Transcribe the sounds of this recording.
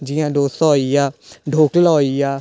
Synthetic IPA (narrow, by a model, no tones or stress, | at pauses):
d͡ʒɪjãːd̪oːst̪ɔːijaːɖʱoːklɔːijaː